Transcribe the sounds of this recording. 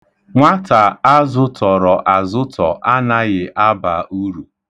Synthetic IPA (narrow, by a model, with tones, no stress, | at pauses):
ŋʷa˦ta˨a˦zʊ˦tʰɔ˨ɾɔ˨ʔa˨zʊ˦tʰɔ˨ʔa˦na˦ɣɪ˨ʔa˦ba˨u˦ɾu˨